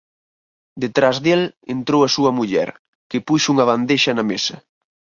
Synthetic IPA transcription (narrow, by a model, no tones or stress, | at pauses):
d̪et̪ɾazðelent̪ɾowɐsuɐmuʎɛ̰ɾ | kɪpuʃuŋɐβ̞and̪eʃɐnɐmesɐ